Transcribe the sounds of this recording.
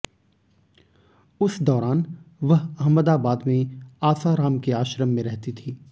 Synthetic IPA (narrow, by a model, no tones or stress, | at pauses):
ʊsd̪ɔːɾaːnʋɐɦɐɦməd̪aːbaːd̪mẽaːsaɾaːmkeaːʃɾəmːẽɾɛɦt̪it̪ʰiː